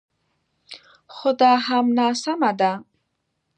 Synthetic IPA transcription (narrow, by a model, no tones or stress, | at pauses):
xʊd̪ɑɦamnɑsamad̪a